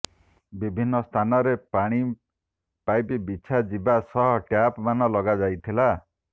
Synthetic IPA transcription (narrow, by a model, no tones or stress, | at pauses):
bibʱinːɔst̪ʰanɔɾeaɽ̃i | pajpibit͡ʃʰad͡ʒibasɔɦɔʈjapmanɔlɔɡad͡ʒajt̪ʰila